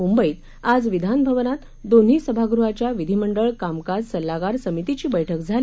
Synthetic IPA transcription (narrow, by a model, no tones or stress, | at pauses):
umbəiːt̪ | ad͡zʋid̪ʱanbʱəʋənat̪ | d̪on̤ɦiːsəbʱaɡɾuɦat͡ɕjaʋid̪ʱiməɳɖəɭkamkad͡zsəlːaɡaɾsəmit̪it͡ɕiːbəjʈʰəkd͡zʱali